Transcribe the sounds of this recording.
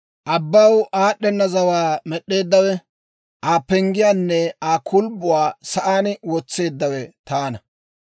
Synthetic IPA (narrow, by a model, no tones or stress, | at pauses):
ʔɐbːɐwʔaːɗːɛnːɐzɐwaːmɛɗːe̞ːd̪ːɐwɛ | ʔaːpːɛŋɡɪjaːnːɛaːkʰʊlbʊwaːsɐʔaːnwɔt͡sːe̞ːd̪ːɐwɛt̪aːnɐ